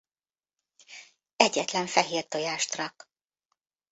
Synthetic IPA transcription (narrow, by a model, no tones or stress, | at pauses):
ɛɟːɛt̪lɛɱfɛɦeːrt̪ojaːʃt̪rɒk